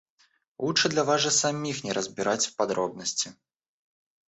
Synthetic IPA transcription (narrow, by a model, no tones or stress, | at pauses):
ut͡ʂɨd̪lʲɐvaʐɐsamʲixnʲɛɾəzʲbʲiɾʔat͡sʲwpad̪ɾɔb̚nəsʲt͡sʲi